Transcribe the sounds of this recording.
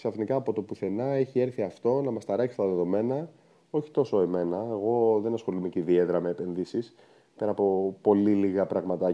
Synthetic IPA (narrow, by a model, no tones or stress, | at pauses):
ksɐfnikɐːpo̞t̪o̞puθe̞nɐe̞çie̞ɾθiɐft̪o̞nɐmɐst̪ɐɾɐksi̥st̪ɐðe̞ðo̞me̞nɐ | o̞çi̥t̪o̞so̞e̞me̞nɐeɣo̞ðe̞nɐsxo̞lumeceðieðɾɐmeːpe̞nðisis | peɾɐpo̞po̞liliɣɐpɾɐɣmɐt̪ɐ